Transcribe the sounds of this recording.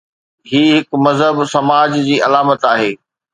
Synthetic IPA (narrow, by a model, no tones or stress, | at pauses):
ɦiːɦɪkmɐzɦəbsɐmaːd͡ʑd͡ʑiːʔɐlaːmət̪aːɦeː